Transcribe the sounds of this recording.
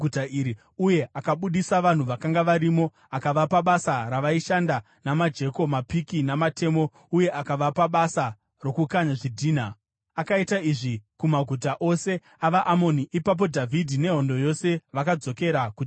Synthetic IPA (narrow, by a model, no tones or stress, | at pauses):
utaiɾi | uje̞akaɓuɗisaʋan̤uʋakaŋɡaʋaɾimo̞ | akaʋapaɓasaɾaʋaiʃanda | namad͡ʒe̞ko̞mapikinamate̞mo̞ | uje̞ʔakaʋapaɓasa | ro̞kukaɲaʐidʱiːna | akaitaiʐikumaɡʱut̬aʔo̞se̞ | aʋaʔamo̞niʔipap̬o̞dʱavʱidʱine̞ɦo̞ndo̞jo̞se̞ʋakad͡zo̞ke̞ɾaku